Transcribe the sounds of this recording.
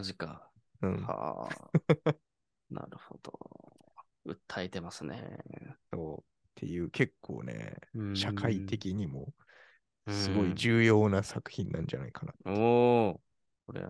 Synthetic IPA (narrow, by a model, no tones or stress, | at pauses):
aʑikaɯ̟̃ɴha̰ | na̰ɾɯ̟hod̪̥o | ɯ̟t̪ʰːaet̪e̞masɨnḛso̞ː | t̪ʰe̞̰jɯ̟ːkʰe̞kʰːo̞̰ːne̞̰ɕakʰait̪e̞kʲiɲ̟imo̞ | sɨɡo̞id͡ʑɨːjo̞ːnasakɯ̟̥çĩnːã̰ɲd͡ʑana̰ikana̰t̪ːo | koɾḛ